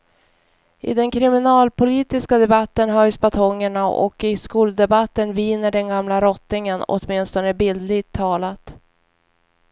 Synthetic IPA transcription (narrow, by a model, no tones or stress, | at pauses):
ʔɪ̰d̪ɛnkʰɾɪmɪnɑːlpʰʊliːt̪ɪskad̪ɛbat̪ːənɦœjsbat̪ʰɔŋːəɳaʔɔ̰kɪskuːld̪ɛbat̪ːənviːnəɖɛnɡamlaɾɔt̪ːnɪŋənɔ̰t̪mɪnst̪ɔnəbɪld̪lɪɡt̪ʰːɑːlat̪